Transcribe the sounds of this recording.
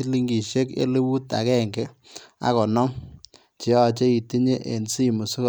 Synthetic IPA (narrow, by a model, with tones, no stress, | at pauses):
i˦li˦ŋɡi˨ʃe˦kḛ˦le˦wu˦ta̰˨kɛ˦˨ŋɡɛ˦a̰˦kɔ˨nɔ˦ŋ | t͡ʃe˨˦ɔ˦˨t͡ʃe˦i˨ti˦ɲe˦ʔḛ˨nsi˦˨mu˨sʊ˦k